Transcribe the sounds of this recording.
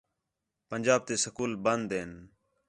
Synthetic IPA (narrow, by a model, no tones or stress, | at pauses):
pənd͡ʒaːb̚t̪eːsəkuːlbənd̪eːn